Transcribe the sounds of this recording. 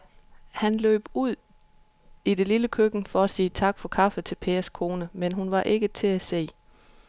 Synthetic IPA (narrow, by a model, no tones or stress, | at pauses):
hænlø̰ːb̥uð̞̰ˠ | ide̝liləkʰøɡ̥n̩fɒ̽æsiːt͡sʰɑ̈ɡ̥fɒ̽kʰɑ̈fət͡sʰe̝lpʰe̝ːɐskʰo̝ːnəmenɦunʋɑ̈ʔe̝ɡ̥ət͡sʰe̝æse̝̰ː